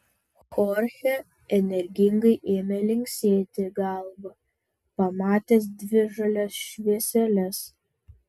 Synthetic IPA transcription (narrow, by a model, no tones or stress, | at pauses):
xoːɾʲxʲɛ | ɛnʲɛɾʲɡʲɪŋɡɐɪʔeːmʲɛlʲɪŋʲksʲeːt̪ʲɪɡɑlˠbɐ | pɐmɑːt̪ʲɛːs̬d̪ʲʋʲɪʒɐlʲɛsʃʲʋʲiɛsʲɛlʲɛs